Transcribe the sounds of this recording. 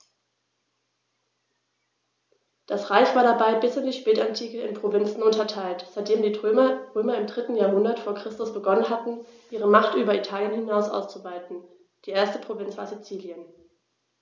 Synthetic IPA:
d̥asʁaɪçv̥aːɐɾdabaɪbɪsɪndiːʃpɛːtantʰiːkəɪnpʁ̥ovɪnt͡sn̩ʊntɐtʰaɪltz̥aɪt̚d̥eːmdiːɐʁøːmɐɪmdʁɪtn̩jaːɐɦʊndɐtfoːɐkʁ̥ɪstʊsb̥əɡɔnənɦatn̩ʔiːʁəmaχtʔyːbɐitʰaːljənhɪnaʊsʔa̰ʊst͡suvaɪtn̩ | d̥iːʔeːɐstəpʁ̥ovɪnt͡sv̥a̰ːɐzit͡siːljən

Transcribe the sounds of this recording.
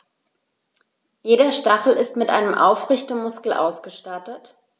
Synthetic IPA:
jeːɾɐʃtaχl̩ɪstmɪtʔa̰ɪnəmʔa̰ʊfʁɪçtəmʊskl̩ʔa̰ʊsɡ̥əʃtatət

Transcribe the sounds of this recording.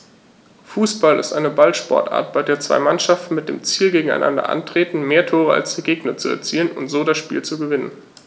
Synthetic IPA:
fuːsb̥alɪ̰stʔaɪnəbalʃpɔ̰ɐtʔa̰ːɐt̚b̥aɪdeːɐt͡sv̥a̰ɪmanʃaftn̩mɪt̚d̥ḛːmt͡siːlɡeːɡŋ̩a̰ɪnʔa̰ndɐ̰ʔa̰ntʁ̥eːtn̩meːɐtʰoːʁ̞əa̰lsd̥iːɡeːɡnɐt͡suɛ̰ɐt͡siːlənʊ̰ntz̥oːɾasʃpiːlt͡suɡəvɪnə̰n

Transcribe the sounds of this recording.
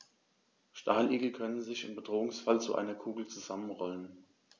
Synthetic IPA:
ʃtʰaːlʔiːɡl̩kʰœnənzɪçɪmbədʁoːʊŋsfalt͡suʔa̰ɪnɐkʰuːɡl̩t͡suzamənʁɔlən

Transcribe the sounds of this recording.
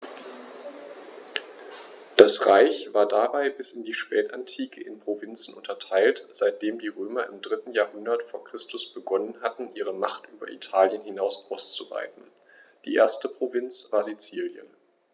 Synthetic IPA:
d̥asʁaɪçv̥aːɐdabaɪbɪsɪndiːʃpɛːta̰ntʰiːkʰəʔɪnpʁ̥ovɪnt͡sn̩ʊntʰɐtʰaɪltz̥aɪt̚d̥eːmdiːʁøːmɐɪmdʁɪtn̩jaːɐhʊndɐtfoːɐkʁ̥ɪstʰʊsb̥əɡɔnənɦatn̩ʔiːʁ̞əmaχtʔyːbɐ̰ʔḭtʰaːljənhɪnaʊsʔaʊst͡suva̰ɪtn̩ | d̥ḭːʔḛːɐstəpʁ̥ovɪnt͡sv̥aːɐzit͡siːljə̰n

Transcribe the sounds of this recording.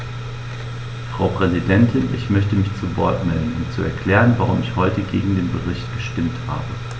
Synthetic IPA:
fʁ̥aʊpʁ̥ɛzidɛntʰɪnʔɪ̰çmœçtəmɪçt͡suvɔɐtnɛlənʊ̰ntt͡suɛ̰ɐkʰl̥ɛːʁənvaʁʊmɪçhɔʏtəɡeːɡŋ̩deːnbəʁɪçtɡ̥əʃtɪmtha̰ːbə

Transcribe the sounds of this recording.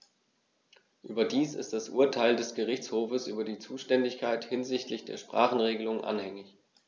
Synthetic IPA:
ʔyːbɐdiːsɪ̰std̥asʔṵːɐtʰaɪldɛsɡ̥əʁ̞ɪçt͡shoːfəsʔy̰ːbɐdiːt͡suːʃtɛndɪçkʰaɪthɪnzɪçtlɪçd̥ḛːɐʃpʁ̥a̰ːχn̩ʁeːɡəlʊŋnʔa̰nhɛŋɪç

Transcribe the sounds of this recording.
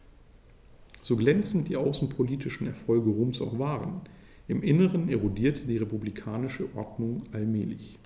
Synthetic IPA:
z̥oːɡlɛnt͡sn̩t̚d̥iːʔaʊsn̩pʰoliːtʰɪʃn̩ɛɐfɔlɡəʁuːmsa̰ʊxv̥aːʁən | ʔɪmʔɪnəʁ̞əneʁodiːɐtʰədiːʁepublikʰaːnɪʃəʔɔɐdnʊŋʔalmɛːlɪ̰ç

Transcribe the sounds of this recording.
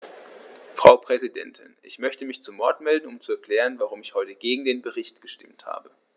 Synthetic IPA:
fʁ̥aʊpʁ̥ɛzidɛ̰ntʰɪnʔɪ̰çmœçtəmɪçt͡sumɔɐtmɛldn̩ʊmt͡suɛɐkl̥ɛːʁ̞ənvaʁʊmɪçhɔʏtəɡ̥eːɡŋ̩deːnbəʁɪçtɡ̥əʃtɪmtha̰ːbə

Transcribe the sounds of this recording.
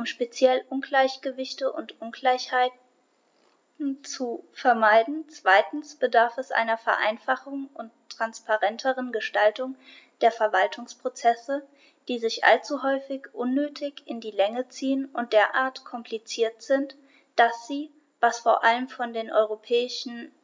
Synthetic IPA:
ʔʊmʃpet͡sjɛlʔʊnɡlaɪçɡ̥əvɪçtəʔʊntʔʊnɡlaɪçhaɪt | n̩t͡sufɛɐmaɪdn̩t͡sv̥aɪtn̩sb̥ədaɐfɛsʔa̰ɪnɐfɛɐʔa̰ɪnfaχʊŋʔʊntːʁ̥anspaʁɛntʰəʁənɡəʃtaltʊŋ | d̥eːɐfɛɐvaltʰʊŋspʁ̥ot͡sɛsə | d̥iːzɪçʔa̰lt͡suɦɔʏfɪçʔʊnːøːtʰɪçɪndiːlɛŋət͡siːənʊnt̚d̥eːɐʔaːɐtkʰɔmpʰlit͡siːɐtz̥ɪnt | d̥asz̥iː | vasfoːɐʔaləmfɔndeːnʔɔ̰ʏʁopʰɛːɪʃn̩

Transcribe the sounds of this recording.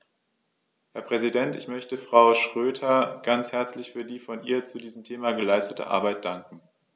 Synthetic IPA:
hɛɐpʁ̥ɛzidɛntɪçmœçtəfʁ̥aʊʃʁ̥øːtʰɐɡ̥ant͡shɛɐt͡slɪçfyːɐdiːfɔnḭːɐt͡sudiːzəm̩tʰeːmaːɡəlaɪstətʰə̰ʔa̰ɐbaɪt̚d̥aŋkŋ̩

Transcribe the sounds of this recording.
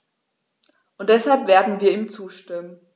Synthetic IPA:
ʔʊnt̚d̥ɛshalpv̥eːɐdn̩viːɐiːmt͡suːʃtɪmən

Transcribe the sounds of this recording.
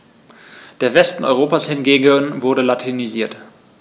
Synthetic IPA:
d̥eːɐvɛstn̩ɔ̰ʏʁoːpaːshɪnɡeːɡənvʊɐɾəlatʰiniziːɐt

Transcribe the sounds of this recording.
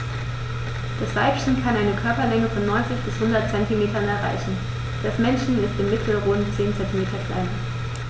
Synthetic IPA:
d̥asv̥aɪpçənkʰanʔaɪnəkʰœɐpɐlɛŋəfɔnːɔʏnt͡sɪçb̥ɪshʊndɐt̚t͡sɛntimeːtɐnɛɐʁa̰ɪçn̩ | d̥asmɛnʃn̩ɪstɪmmɪtʰl̩ʁoːnt͡seːnt͡sɛntimeːtʰɐkʰl̥a̰ɪn

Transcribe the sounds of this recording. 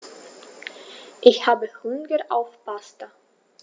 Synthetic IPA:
ʔɪçhaːbəhʊnɡəʔa̰ʊfb̥asta

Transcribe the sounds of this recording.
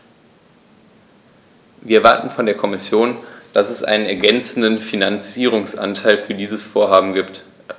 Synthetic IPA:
viːɐɐvaɐtn̩fɔndeːɐkʰɔmɪsjoːnd̥asɛsʔa̰ɪnənɛɐɡɛnt͡sn̩dənfinant͡siːʁ̞ʊŋsʔa̰ntʰaɪlfyːɐdiːzəsfoːɐɦaːbm̩ɡiːpt

